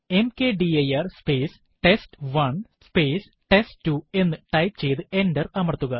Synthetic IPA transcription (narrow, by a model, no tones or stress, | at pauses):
e̞mke̞ːɖiɐjɐrspeːs | ʈe̞stʋɐɳspeːs | ʈe̞sttːue̞nːɨʈɐjpt͡ɕe̞jt̪ɨe̞ndɐrɐmɐrt̪ːuɣɐ